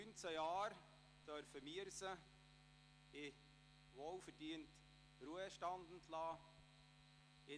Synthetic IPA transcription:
ynt͡səjɑːɾ | d̥œɾfəmiəɾsə | ɪ | ʋoːlfəɾd̥iənt | ɾuəʃtɑnd̪n̩tʰlɑː | ɪ

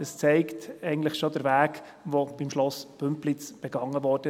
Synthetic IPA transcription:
əst͡sɛɪktɛɪɡən̩tləχʃodəɾvæːk | ʋob̥imʃlɔsb̥ɵmplɪt͡sb̥ɛɡ̥ɑŋːəʋɔːrd̥ə

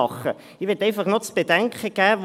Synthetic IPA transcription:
ɑχə | ɪʋɛtɛɪfɑχnot͡sb̥edɛŋkəɡ̥æːʋ

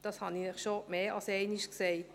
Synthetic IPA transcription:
d̥ɑshɑninɛχʃomeːɑsɛɪniʃkseɪ

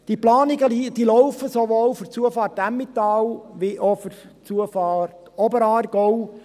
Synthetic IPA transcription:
d̥iplɑːnɪɡəlid̥̪ilɔʊfəsoʋoːwfʏɾt͡suəfɑːɾtæmːit̪ɑːlʋiʔofʏɾ | t͡suəfɑːtɔbəɾɑːɾɡ̥ɔw

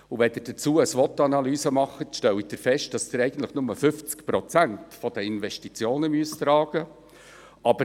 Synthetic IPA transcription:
uʋɛd̪ɪɾd̥ət͡suːəəsʋɔt̪ɑnɑlyːzəmɑχːətʃtɛlwid̥̪ɪɾfɛʃt̚d̥ɑsd̥ɪɾɛɪɡən̩t̪ləχnʊməfʏft͡skpɾɔt͡sæntfɔd̥əɪnvɛʃtit͡sjoːnəmyəst̪ɾɑːɡ̥ə | ʔɑb̥ə

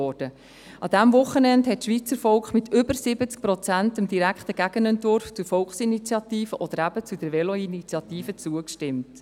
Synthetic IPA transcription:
ɔːrd̥ə | ɑd̥̪æmvʊχːənɛndhɛtʃʋiːt͡səfɔlkχmɪtʰʏbəɾsɪbət͡sk̚pɾɔt͡sæntəmd̥iɾækχtəɡ̥æɡ̥ənɛntvʊɾft͡suɾfɔlkχsinit͡sjɑtiːfəʔɔd̥̪əɾæbət͡sudɛɾvɛlɔinit͡sjɑtiːfət͡suəkʃtɪmt

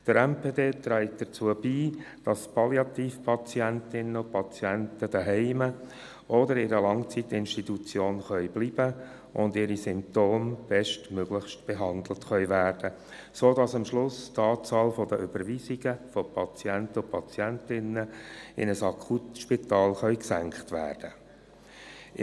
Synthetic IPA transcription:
d̪̥əɾɛmpeːdeːt̪ɾæɪkd̪̥əɾt͡suːəb̥iː | d̥ɑspʰɑliɑtiːfpʰɑt͡siæntɪnːəʊpʰɑt͡sjɛntəd̥əɦɛɪmə | ʔɔdəɾɪɾəlɑŋt͡sit̪ɪnʃtit̪ut͡sjoːnχœʏblib̥ə | ʔʊndɪɾisʏmptoːmb̥ɛʃtmøɡ̥lɪχʃtb̥ɛɦɑnd̪l̩tχœʏʋæːrd̥ə | soːdɑsɑmʃlʊst̪ɑːt͡sɑːlfɔd̪əʔʏb̥əɾʋiziɡ̥əfɔpʰɑt͡sjæntəʊpʰɑt͡sjæntɪnːəɪ̰nəsɑkʰutʃpit̪ɑːlχœʏksæŋkχtʋæ̰ːrd̥ə

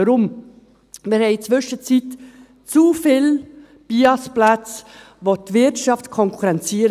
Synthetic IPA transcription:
əɾʊm | mɪɾhɛɪt͡svʏʃət͡sit | t͡sufɪl | b̥iɑsplat͡s | votvɪtʃɑftkʰɔŋkʰuɾɛnt͡siːəɾ

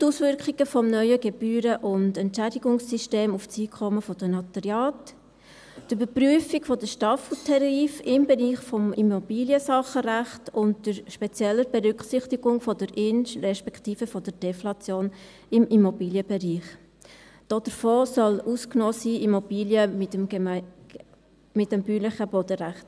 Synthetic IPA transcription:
tuːsvʏɾkχiɡəfɔmnœʏəɡɛb̥yːɾəʔʊndɛntʃædɪɡʊŋsːiʃteːmuft͡siːkʰχɔməfɔd̥ənɑt̪əɾjɑːt | tybəɾpryəfiɡfɔd̥əʃtɑfl̩tʰɛɾiːfɪmbɛɾiːχfɔmʔimobiːljəsɑχəɾæχtʊntd̥əɾʃpɛt͡sjɛlːəɾb̥ɛɾʏkχsɪχtiɡ̥ʊŋfɔdəɾɪnrɛʃpɛkʰtiːfəfɔd̥əɾd̥ɛflɑt͡sjoːn | ɪmimɔbiːljəbɛɾiːχ | d̥ɔd̥əɾfoːsɔlusknɔːsiːʔimɔb̥iːljəmɪtəm | mɪtːəmbyːlɪχəbɔdəɾæχt

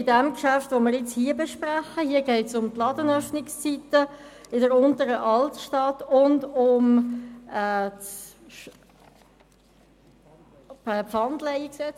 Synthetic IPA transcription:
ɪdɛmkʃæftʋoməɾɪt͡shiəbɛʃpɾaχəhiəɡɛɪtsʊmtlɑdənœfnɪkst͡sitə | ɪdəɾʊntəɾəʔɑltʃtɑtʊndʊm | ɛːt | ɛpfɑndlɛiksɛt͡s

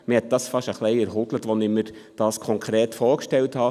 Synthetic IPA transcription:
mɪhɛt̪̚d̥̪ɑːsfɑʃəχleɪɛɾɦʊd̥̪lət̪ʋɔnɪməɾd̥ɑːskʰɔŋkʰɾeːt̪foːɾkʃtɛlthɑː

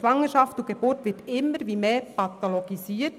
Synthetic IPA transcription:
ʋɑŋəʃɑftuɡ̥eb̥ʊɾtʋɪtɪmːəɾʋiːmeːpɑt̪oloɡisiːə

